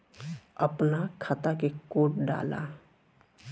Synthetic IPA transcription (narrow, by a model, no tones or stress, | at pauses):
əpnakʰat̪akekoːʈɖa̰ːla̰